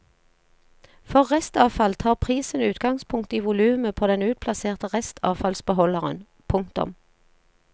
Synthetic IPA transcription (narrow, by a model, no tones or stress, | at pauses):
fɔʁʁɛst̪ɑːfɑlt̪ʰɑːʁpʰʁiːsənʉːt̪ɡɑŋspʰʊŋkt̪iːʋʊlʉːməpʰoːd̪ɛnʉːt̪̚pʰlɑseːʁt̪əʁɛst̪ʰɑ̰ːfɑlsbəɦɔləʁə̰n | pʰʊŋt̪ʊ̰m